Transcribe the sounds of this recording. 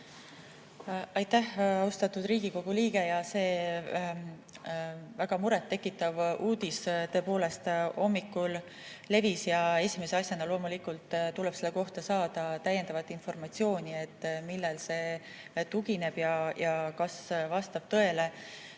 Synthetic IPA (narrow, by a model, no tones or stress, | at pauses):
ɑjt̪ːæhɑust̪ɑt̪ud̪̥riːɡiko̞ɡ̥uliːɡ̥e̞jɑse̞ː | væɡ̥ɑmuɾet̪ːe̞kːˑit̪ːˑɑvuːd̪̥ist̪ɤ̞ːpo̞ːle̞st̪o̞mːikːul | le̞visjɑe̞sʲimeseɑsʲjɑnɑlo̞ːmulikult̪ːt̪uleb̥se̞lːeko̞ht̪ɑsɑːd̪̥ɑt̪æjenɑvɑt̪ːˑinfo̞rmɑt̪sio̞ːnʲie̞t̪ːˑmilːelse̞ | t̪uɡine̞b̥jɑjɑkɑsvɑst̪ɑb̥t̪ɤe̞le